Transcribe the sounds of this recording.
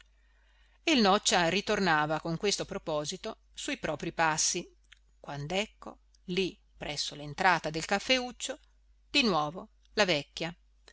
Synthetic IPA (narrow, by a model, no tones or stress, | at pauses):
ilnɔt͡ʃːaɾit̪ornaːvakoŋkwest̪opɾopɔːzit̪o | sujpɾɔːpɾipasːi | kwand̪ɛkːo̰ | li | pːɾɛsːolent̪ɾaːt̪ad̪elkafːeut͡ʃːo | d̪inwɔːvo | lavɛkʲːja